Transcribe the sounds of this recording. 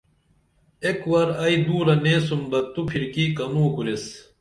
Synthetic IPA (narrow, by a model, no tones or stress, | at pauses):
ekwɐɾɐid̪uːɾɐneːs̬umbɐt̪ːupʰiɾkiːkɐnuːkuɾes